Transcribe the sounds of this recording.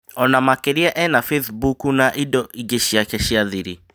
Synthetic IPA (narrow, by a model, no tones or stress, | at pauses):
ɔnamakeɾiɛʔɛnafeθbukunaʔidɔʔiɡeɕiakɛɕiaðiɾi